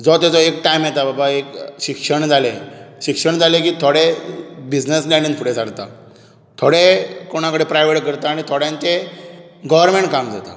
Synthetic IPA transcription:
d͡zɔt̪at͡sɔekʈajmjet̪ababaekɕikʂəɳd͡zʱaleɕikʂəɳd͡zalekiːt̪ʰoɽebid͡znəslɛɳɖinfʰuɽesaɽt̪a̰ | t̪ʰoɽekoɽ̃akəɽepɾajʋeʈkəɾt̪aːɽ̃it̪ʰoɽjãnt͡se | ɡɔʋəɾmeɳʈ̚kamd͡za̰t̪a̰

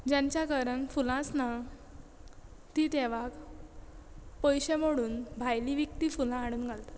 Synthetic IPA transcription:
d͡ʑãɲt͡ɕjakəɾənfulãt͡sna | t̪it̪ɛʋak | pəjɕemoɽuːnbʱajliʋikt̪ifulãːɽ̃uːnɡʱalt̪ḁt̪

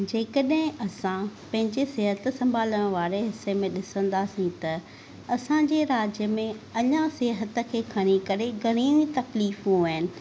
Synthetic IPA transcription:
d͡ʑeːkəɗɦɪ̃ɐsãpɐ̃ɦɪ̃ɲd͡ʑeseːɦət̪sɐ̃mbʱaːləɽ̃ʋaːɾeɦɪsːemẽɗɪsə̃nd̪aːsĩt̪ɐ | ɐsãɲd͡ʑeɾaːd͡ʑjəmẽɐɲãseːɦət̪ə̆kʰeːkʰɐɽ̃ikɐɾeɡɐɽ̃iːmt̪ɐkliːfɦũaːɦɪnɪ̆

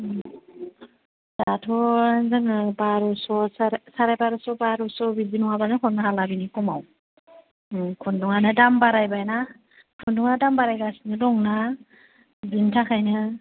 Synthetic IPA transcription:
zatʰɔzɯŋɯbaɾɔsɔsasaɾajbaɾɔsɔbaɾusɔbizinɔŋabanakʰɔnahalabinikɔmaw | kʰunduŋanɯdambaɾajbajna | kʰunduŋadambaɾajbasinɯdɔŋna | zintʰakʰajnɯ

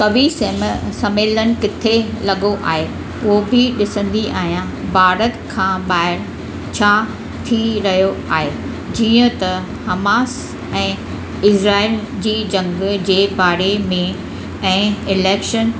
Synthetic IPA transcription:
kɐʋisɐmeːlənɪ̆kɪt̪ʰelɐɠoʔa̰ːɦe | ʊɦobɪɗɪsə̃nd̪iʔa̰ːɦijã | bʱaːɾət̪kʰãːɓaːɪɾ | t͡ɕʰaː | t̪ʰiɾɐɦijoaːɦe | d͡ʑiːə̃t̪ɐ | hɐmaːs | ɛ̃ː | ɪsɾaːɪld͡ʑiːd͡ʑɐ̃ŋɡd͡ʑeːbaːɾemẽ | ɛ̃ːɪlɛːkʃən

